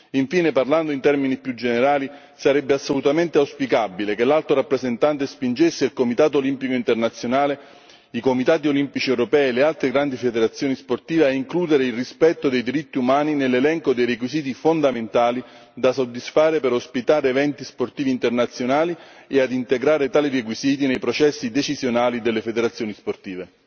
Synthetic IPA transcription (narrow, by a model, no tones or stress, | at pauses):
iɱfiːneparland̪oint̪ɛrminipjud͡ʒeneɾaːli | saɾɛbːeasːolut̪ament̪eawspikabilekelalt̪oɾapːɾezent̪ant̪espind͡ʒesːeilkomit̪aːt̪olimpikoint̪ernat̪sːjonaːle | ikomit̪aːt̪̬iolimpit͡ʃiɛwɾopɛːlealt̪ɾeɡɾand̪ifed̪eɾat̪sːjoːnisport̪iːveaiŋkluːd̪eɾeilrispɛt̪ːod̪ejd̪iɾit̪ːiumaːninelːelɛŋkod̪ejɾekwiziːt̪ifond̪ament̪aːli | d̪asod̪ːisfaːɾepeɾospit̪aːɾeːvɛnt̪isport̪iːviːnt̪ernat̪sːjonaːliead̪int̪eɡɾaːɾet̪aːlirek̬wiziːt̪̬inejpɾot͡ʃɛsːid̪et͡ʃizjonaːlid̪elːefed̪eɾat̪sːjoːnisport̪iːve